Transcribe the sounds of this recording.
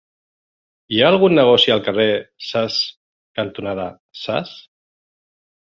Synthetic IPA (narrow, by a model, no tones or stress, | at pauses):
iaːlˠɣunːəɣ̞ɔsialˠkəresas | kant̪unaða | sa̰s